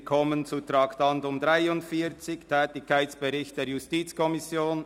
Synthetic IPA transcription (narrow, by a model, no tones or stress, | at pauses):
kʰɔmənt͡sutɾaːktɑntʊmdʁaɪʊntfiːt͡sɪçtʰɛːtɪkʰaɪsb̥ɛɾɪçt̚d̥eːjustiːt͡skʰɔmɪsjoːn